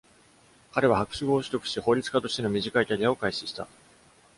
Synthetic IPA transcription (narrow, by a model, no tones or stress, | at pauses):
kaɾe̞β̞ahakɯ̟̥ɕiɡo̞ːɕi̥t̪okɯ̟̥ɕiho̞ːɾʲit͡sɨ̥kat̪o̞ɕt̪e̞no̞mʲiʑikait̪aɾʲiao̞kaiɕiɕi̥t̪a̰